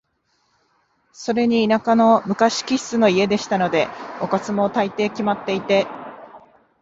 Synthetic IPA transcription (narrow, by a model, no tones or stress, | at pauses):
so̞ɾe̞ɲ̟iːnakano̞mɯ̟kaɕi̥kʲi̥sɨno̞ie̞d̪e̞ɕi̥t̪ano̞d̪e̞okat͡sɨmo̞t̪ait̪e̞ːkʲimat̪ːe̞it̪e̞